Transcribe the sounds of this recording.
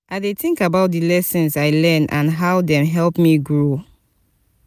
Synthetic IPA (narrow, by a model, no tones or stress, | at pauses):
ʔaðeθɪ̃ŋkabaʊt̚dɨlɛsɔ̃nzaɪlɜnʔã̰nɦaʊdɛ̃mɦɛlpmiɡɹo